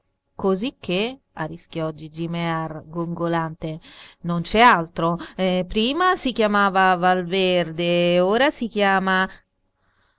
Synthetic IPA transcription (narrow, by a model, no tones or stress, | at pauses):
kozikʰːe | arisk̟ʲjɔd͡ʒːid͡ʒimearɡuŋɡolant̪enont͡ʃɛalt̪ɾopɾiːmasikjamaːvavalverd̪eoːɾasik̟jaːma